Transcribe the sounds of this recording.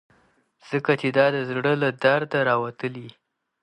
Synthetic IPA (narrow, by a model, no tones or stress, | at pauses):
z̥əkat͡ʃed̪ɑd̪əzɽəlad̪aɾd̪aɾɑwat̪əli